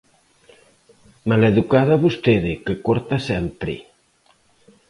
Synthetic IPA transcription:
maleðukaðaβust̪eðekekoɾt̪asɛmpɾḛ

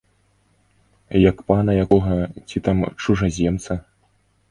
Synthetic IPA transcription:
jɐkpanɐjakɔɣɐt͡sʲit̪amt͡ʂuʐɐzʲɛmt̪sɐ

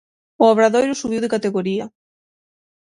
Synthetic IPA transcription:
oaβɾaðojɾʊsuβ̞iwðekat̪eɣoɾiɐ

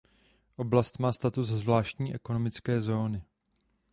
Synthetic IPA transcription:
ʔo̞blast̪maːst̪at̪uzzvlaːʃt̪ɲiːʔɛko̞no̞mɪt͡skɛːzo̞ːnɪ

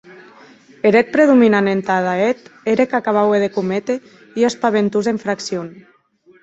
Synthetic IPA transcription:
eɾet̪̚pɾeðuminanent̪aðaet̪eɾekakaβaweðekumet̪e | iospaβent̪uzeɱfɾaksjon

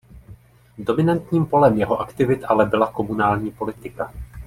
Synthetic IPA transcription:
do̞mɪnant̪ɲiːmpo̞lɛmjɛɦo̞ʔakt̪ɪvɪt̪ʔalɛbɪlako̞munaːlɲiːpo̞lɪt̪ɪka

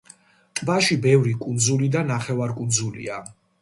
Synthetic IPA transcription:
t̪ʼbaʃibɛvɾikʼund̪zulid̪anaχɛvaɾkʼund̪zulḭa

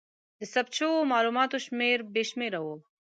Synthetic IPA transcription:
d̪əsɐb̚t͡ʃʰoomaːluːmaːt̪oʃmeːɾbeːʃmeːɾɐwoː

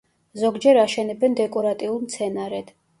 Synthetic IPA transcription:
zɔɡd͡ʒɛɾaʃɛnɛbɛnd̪ɛkʼɔɾat̪ʼiulˠmt̪sʰɛnaɾɛd̪̥

